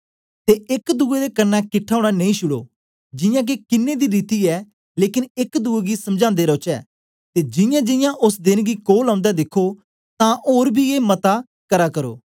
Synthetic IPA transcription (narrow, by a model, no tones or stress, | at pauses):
t̪eːɪkd̪uːeːd̪eːkənːaːkɪʈʰːaːoːɽaːnə̃ĩːʃʊɽo̰ː | d͡ʒɪjãːk̬ekɪnːeːd̪iːɾiːt̪iːɛː | leːkɪnɪkd̪uːeːɡiːsəmd͡ʒãːnd̪eːɾoːt͡ʃɛ̰ː | t̪eːd͡ʒɪjãːd͡ʒɪjãːʔʊsd̪ɪnɡiːkoːlãːnd̪aːd̪ɪkʰoː | t̪ãːʔoːɾbʱiːeːmət̪aː | kəɾaːkəɾo̰ː